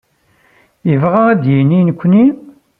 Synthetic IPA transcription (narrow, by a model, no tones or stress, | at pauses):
jəvʁaæd̪jininəkʷːni